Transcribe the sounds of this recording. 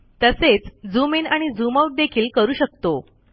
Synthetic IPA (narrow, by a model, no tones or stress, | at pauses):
t̪əset͡sd͡zumenaɽ̃id͡zumawʈ̚d̪ekʰiːlkəɾuːɕək̚t̪o